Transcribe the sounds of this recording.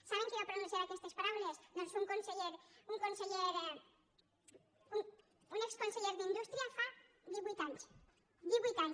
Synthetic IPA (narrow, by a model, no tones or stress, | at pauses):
saβẽŋkɪβapɾonũθjaɾakest̪espalaβlesnosuŋkonseʎeɾuŋkonseʎeɾ | uŋ | uŋekskõnseʎeɾðind̪ust̪ɾjɐfa | ðiβujt̪ans | ðiβujt̪an